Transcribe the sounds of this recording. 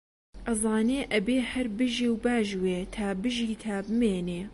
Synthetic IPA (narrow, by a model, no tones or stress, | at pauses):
ʔɐzˤɑːneːʔɐbeːhɐɾbɨʒeːwbaːʒweːt̪ʰaːbɨʒiːt̪ʰaːbɨmeːneː